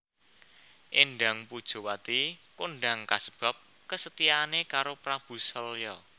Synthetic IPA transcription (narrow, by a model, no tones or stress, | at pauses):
ʔenɖa̤ŋpud̥ʒ̥o̤wat̪ikonɖaŋkasə̥b̥ä̤p̚ | kəsət̪iaːnekaɾopɾab̥ṳsɔljɔ